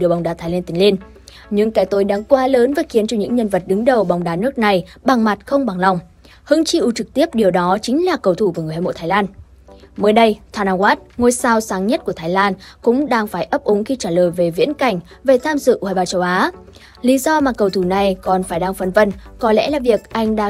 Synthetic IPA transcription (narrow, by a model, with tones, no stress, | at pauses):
ɗɨ˨˩ə˩ɓa˨˩wŋ͡mɗaː˨˩t̪ʰa˨˦laː˧nt̪ï˨˦ŋ̟li˧n | ɲɨ̰˧˥ŋkaː˧˩jt̪o˨˦jɗaː˧ŋkwaː˧ləː˨˦nvaː˨˩xi˨˦ənt͡ɕɔ˧ɲɨ̰˧˥ŋɲə˧nvə˨˩t̚ɗɨ˨˦ŋɗə˨˩wɓa˨˩wŋ͡mɗaː˨˦nɨ˦˥ək̚na˨˩jɓa˨˩ŋma˨˩t̚xə˧wŋ͡mɓa˨˩ŋla˨˧˩wŋ͡m | hɨ˨˦ŋt͡ɕi˧ʔu˨˦t͡ɕɨ˨˩k̚t̪i˦˥əp̚ɗi˨˩əwɗɔ˨˦t͡ɕï˨˦ŋ̟laː˨˩kə˨˩wt̪ʰu˧˩vəː˨˩ŋ˨˩haː˧jmo̰˧˨jt̪ʰaː˨˦jlaː˧n | məː˨˦jɗə˧jt̪ʰwaː˧naː˧waː˦˥t̚ŋo˧jsaː˧wsaː˨˦ŋɲə˦˥t̚ku˧˩ət̪ʰaː˨˦jlaː˧nkʊ̰˧˥ŋ͡mɗaː˧ŋfaː˧˩jʔə˦˥p̚ʔʊ˨˦ŋxi˧t͡ɕaː˧˩ləː˨˩jve˨˩vḭ˧˥ənka˧˩jŋ̟ | ve˨˩t̪ʰaː˧mzɨ̰˧˨ʔaː˨˧˩ɓaː˧˩t͡ɕə˧wʔaː˨˦ | li˨˦zɔ˧maː˨˩kə˨˩wt̪ʰuː˧˩na˨˩jkɔ˨˩nfaː˧˩jɗaː˧ŋfə˧nvə˧nkɔ˨˦lɛ̰˧˥laː˨˩vi˨˩ək̚ʔa˧jŋ̟ɗa̰ː˧˥